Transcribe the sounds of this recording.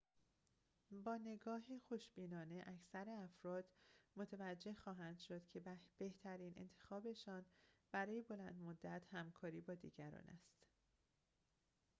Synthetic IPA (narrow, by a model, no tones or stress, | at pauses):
bɒːne̞ɡɒːɦexo̞ʃb̥iːnɒːne̞ʔæcʰsæɾeæfɾɒːd̪̥mot̪ʰevæd͡ʒːe̞hxɒːɦænd̪ʃo̞d̪̥cʰe̞bb̥e̞ht̪ʰæɾiːnʔe̞̰nt̪ʰe̞xɒːbe̞ʃɒːnb̥æɾɒːje̞bo̞læ̰nd̪mod̪ːæt̪ʰhæmkʰɒːɾiːbɒːd̪iːɟæɾɒ̰ːnæ̰st̪